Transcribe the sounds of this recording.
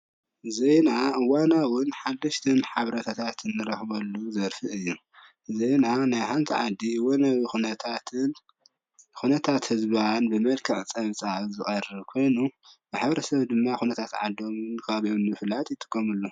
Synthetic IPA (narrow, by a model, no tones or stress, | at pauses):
zejnaɨwanawʊnħad̪ːɐʃt̪ʰɐnħaβɾɐt̪ʰat̪ʰat̪ʰɨnːɨɾɐxbɐlːuzɐɾfiʔɨjːu | zejnanajħant̪ʰḭʕa̰d̪ːiwonɐβixunɐt̪ʰat̪ʰɨn | xunɐt̪ʰat̪hɨzbanbɨmɐlkʰɨʕt͡sʼɐβt͡sʼazɨxʼɐrɨβkʰo̞jnubɨħaβɾɐsɐβd̪ɨmːaxunɐt̪ʰat̪ʕa̰d̪o̞mnkʰaβʔonɨflat̪jɪt̪ʼːɨ̥kʰːɐmulːo